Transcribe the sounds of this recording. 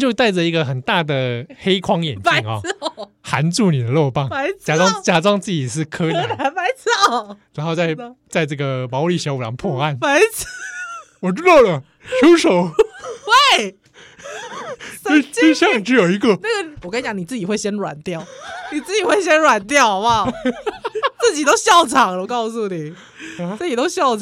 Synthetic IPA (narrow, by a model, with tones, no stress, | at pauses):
t͡ɕjo˥˧ʊt̪a˥˩ɪʈ͡ʂə˩i˧˥ɡə˧xə˨˩nt̪a˥˩d̪ə˩xe˥ɪkʰwɑ˥ŋjɛ̰˨ni˧ŋɐ̰˨˩˥ | xa˧˥nt͡su˥˩ni˨˩d̪ə˦lo˥˧ʊpa˥˩ŋa˧˥ɪt͡ɕja˧˥ɑ˥ŋt͡ɕja˥ʈ͡ʂɑ˥ŋt͡sɹ̩˥˩t͡ɕi˨˩ʂɻ̩˥˩kʰɤ˥n˥˦˧a˧˥ɪt͡sɑ˥˩ɻa˧˥nxo˥˧ʊt͡sa˥˩ɪt͡sa˥˧ɪʈ͡ʂɤ˥˩ɡə˩mɑ˧˥ʊli˥˩ɕjɑ˧˥ʊu˨˩ɑ̰˧˥ŋpʰwɔ˥˧a˥˩nma˧˥ɪ˥ | wɔ˨˩ʈ͡ʂɻ̩˥t̪ɑ˥˩ʊlə˩ | t͡ɕʰu˥ʊʂo˨˦ʊwe˥˩ɪ | e˥˧ɪt͡se˥˧ɪɕjɑ˥˧ŋ˨˩ʈ͡ʂɻ̩˧˥jo˨˩ʊi˧˥ɡə˧na˥˩ɡə˨wɔ˨˩kt͡ɕjɑ˧˦ni˨˩t͡sɹ̩˥˩i˨˩xwe˥˩ɪɕjɛ˥nɻwa̰˨˩nt̪jɑ˥˩ʊni˨˩t͡sɹ̩˥˩t͡ɕi˨˩xwe˥˩ɪɕjɛ˥nɻwa˨˩nt̪jɑ˥˩ʊmɐ˨ | t͡s̩˥˩t͡ɕi˨˩t̪o˥ʊɕjɑ˥˩ʊʈ͡ʂʰɑ˨˩ŋlə˧kɑ˥˧ʊsu˥˩ni˨˩˦ | t͡ɕi˨˩t̪o˥ʊɕjɑ˥˩ʊʈ͡ʂʰ